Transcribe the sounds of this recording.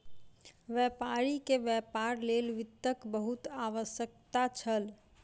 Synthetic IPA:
ʋjɛpaɾikeʋjɛpaɾlelʋɪt̪ːəkbəɦut̪aʋəsjək̚t̪at͡ʃʰəl

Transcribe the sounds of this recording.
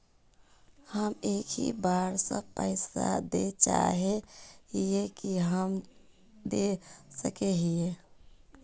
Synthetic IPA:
həmekʰḭbaɾsə̰̃pəɪsa̰d̪et͡ʃa̰ɦeɦijekiɦəm | d̪esə̰keɦie

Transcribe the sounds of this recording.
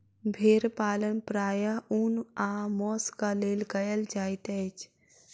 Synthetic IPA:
bʱeːɾpaːlənpɾaːjaunaːmɔːskaleːlɡəjəld͡ʒaːɪt̪ɛt͡ʃʰ

